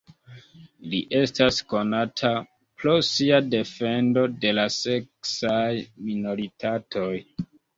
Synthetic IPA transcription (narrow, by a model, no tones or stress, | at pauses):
liʔe̞stasko̞natʰa | pɾo̞siade̞fe̞ndo̞de̞lase̞ksajmino̞ɾitʰatʰo̞j